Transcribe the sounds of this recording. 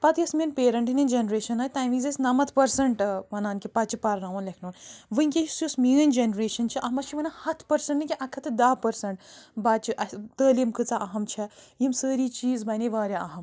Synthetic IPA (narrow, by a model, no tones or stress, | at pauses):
pɐt̪jɐsminpeːɾɐɳʈɨnind͡ʒenɾeːʃɐnɐːjt̪aːjmizɐsʲnɐmɐt̪ʰpɐɾsɐɳʈʋɐnaːnkʲipɐt͡ʃipɐɾnaːʋonlɐkʰnoːnʋɨiŋʲkisusmiənd͡ʒenɾeːʃɐnt͡ʃʰiʔɐɦmɐt͡ʃʰiʋɐnahɐt̪ʰpɐɾsɐɳʈnɨkʲiʔɐkʰɐt̪ɨd̪aːpɐɾsɐɳʈbat͡ʃiʔɐt̪əːlimkɨt͡saʔɐɦɐmt͡ʃʰɐjimsəːɾiːt͡ʃiːzbɐneʋaːɾʲjɐɐɦɐm